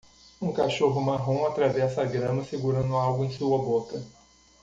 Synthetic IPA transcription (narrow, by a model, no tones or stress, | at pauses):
ũkaʃoɦʊmaɦõw̃at̪ɾavɛsɐaɡɾɐ̃mɐseɡuɾɐ̃nd̪ʊawɡʊẽj̃suɐbokɐ